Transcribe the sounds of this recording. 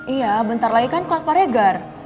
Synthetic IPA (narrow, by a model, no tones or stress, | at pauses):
ʔijabənt̪arlaɡikankɔspaɾeɡar